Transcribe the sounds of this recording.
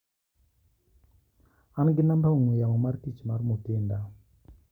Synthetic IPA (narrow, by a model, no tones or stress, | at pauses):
anɡɪnambauŋijamɔmarkit͡ʃmarmutɪnda